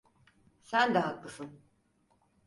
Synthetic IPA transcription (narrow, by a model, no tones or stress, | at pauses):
sænd̪ɛɦakːɯsɯn